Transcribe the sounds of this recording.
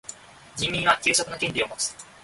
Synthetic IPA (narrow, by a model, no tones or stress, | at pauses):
d͡ʑʲĩmʲːĩɰ̃βakʲɨːɕokɯ̟nakẽɲʲiomo̞t͡sɨ̥